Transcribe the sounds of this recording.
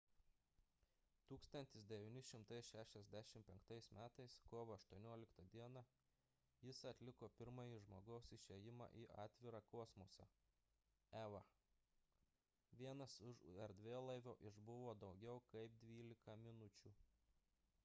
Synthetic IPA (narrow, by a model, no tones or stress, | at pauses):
t̪uːkst̪ɐnʲt̪ʲɪsd̪ʲɛʋʲɪnʲɪʃʲɪmt̪ɐɪsʲʃʲæːʃʲɛzʲd̪ʲæʃʲɪmpʲɛŋkt̪ɐɪsmʲæːt̪ɐɪskoːʋɐɐʃt̪uɔnʲuɔlʲɪkt̪ɐd̪ʲiɛnɑ | jɪsɐt̪ʲlʲɪkoːpʲɪɾmɐjiʒmoːɡɐʊsɪʃʲejɪmɑ̰ʔiːʔɑ̰ːt̪ʲʋʲɪɾɑkɔːsmosɐ̰ | æʋɐ | ʋʲiɛnɐsʊʃuɛɾd̪ʲʋʲeːlˠɐɪʋʲoːʔɪʒbʊʋoːd̪ɒʊɡʲɛʊkɐɪp̚d̪ʲʋʲiːlʲɪkɐmʲɪnʊt͡ʃʲuː